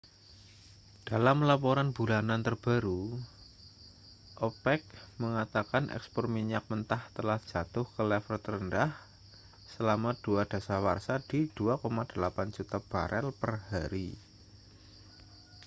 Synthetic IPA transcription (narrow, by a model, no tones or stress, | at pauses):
d̥alamlapoɾanbulanant̪ərb̥aɾu | ʔopɛk̚məŋat̪akanʔɛ̰kspɔrmiɲak̚mənt̪aht̪əlahd͡ʒ̥a̤t̪ʊhkəlɛfərt̪ərəndah | səlamad̥uad̥a̤sawa̰rsad̥id̥uakomad̥əlapand͡ʒut̪ab̥aɾʔɛlpərhaɾi